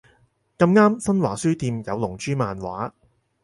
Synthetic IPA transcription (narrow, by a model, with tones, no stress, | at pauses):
kɐ˧mŋaː˥msɐ˥nwa̰ː˨˩syː˥t̪iː˧mjɐ˨˧wlʊ˨˩ŋt͡ʃyː˥maː˨˧nwa̰ː˨˥